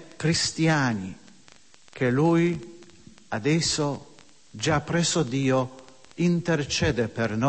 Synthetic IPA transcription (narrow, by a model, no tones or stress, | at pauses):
kɾist̪jaːni | k̟ʰeluj | ad̪ɛsːo | d͡ʒapːɾɛsod̪iːo | int̪ert͡ʃɛːd̪epernɔ